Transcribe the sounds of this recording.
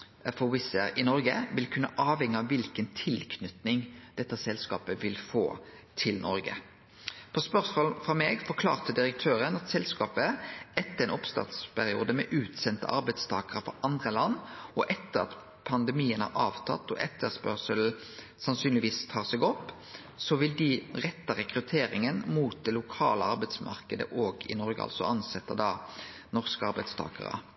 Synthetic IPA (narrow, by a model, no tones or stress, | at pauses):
fɔwɪsəɾɪnɔɾɡə̰ʋɪlkʰʉnːəʔɑːʋhɛŋːəɑʋːɪlkənt̪ʰɪlkʰnʏt̪nɪŋd̪̥ɛt̪ːəsɛlskɑ̰ːpəʋɪlfo̰ː | t̪ʰɪlnʔɔɾɡə̰ | pʰɔspœʁsmoːlfʁɑmeːɡfɔʁkʰlɑ̰ːʁt̪əd̪ɪɾək̚t̪ʰøːɾənɑt̪sɛlskɑːpəɛt̪ːəɛnʔɔpst̪ɑ̰t̪spʰæɾɪṵːd̪əmɛ̰ʔʉːt̪sɛnt̪ə̰ʔɑ̰ɾbæɪd̪st̪ʰɑːkəʁəfɔ̰ɾʔɑnd̪ʁəlɑnːɔʔɛt̪ːəɾɑ̰t̪ | pʰɑnd̪ɛmiːənhɑ̰ɾɑːʋt̪ʰɑ̰t̪ːɔ̰ʔɛt̪ːəspœʁsəl̩ | sɑnsyːnlɪʋiːst̪ʰɑːsɛɡɔpː | sɔʋɪld̪ɪʁɛt̪ːɑʁɛkɾʉt̪ʰeːɾɪŋənmuːt̪̚d̪ɛlʊkʰɑːləɑɾbæɪsmɑ̰ʁkəd̪ə̰ʔoːɡɪ̰nɔɾɡəɑ̰lsɔ̰ʔɑnsɛt̪ːəd̪ɑ | nɔʁskəɑɾbæɪd̪st̪ʰɑ̰ːkə̰ʁə̰